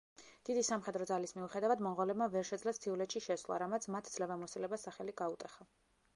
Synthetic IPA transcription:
d̪̥id̪isamχɛd̪ɾɔd̪zalismiuχɛd̪avad̪mɔnʁɔlɛbmavɛɾʃɛd̪zlast̪ʰiulɛt̪ʃiʃɛsvlˠa̰ɾamat̪sʰmat̪ʰd̪z̥lɛvɛmɔsilɛbasaχɛliɡaut̪ʼɛχa

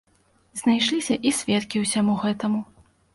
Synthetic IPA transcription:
znajʂlʲisʲɐʔisʲvʲɛt̪kʲiwsʲamuɣɛt̪ɐmu

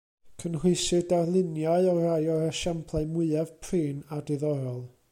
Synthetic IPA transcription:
kʰənhwɪsɨdarlˠɪnjaɨɔrajɔɾəʃampʰlˠaɨmwɨɛv̥pʰriːnadɪðɔɾɔlˠ

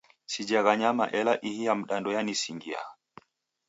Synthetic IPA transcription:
sid͡ʒaɣaɲama̰ʔɛlaʔihijam̩ɗandɔjanisiŋɡia̰

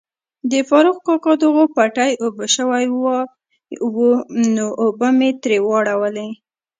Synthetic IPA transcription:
d̪əfɑɾuxkɑkɑd̪əɣopaʈajobəʃəwajwa | wonoʔːbəmet̪ɾewɑɽawəle

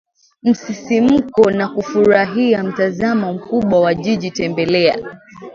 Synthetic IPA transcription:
m̩sisim̩kɔnakufuɾaɦiam̩tazamɔm̩kuɓwawaʄiʄitɛmbɛlɛa̰

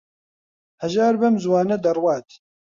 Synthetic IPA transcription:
hɛʒaːɾbɛmzwaːnɛd̪ɐrwɑːt̪

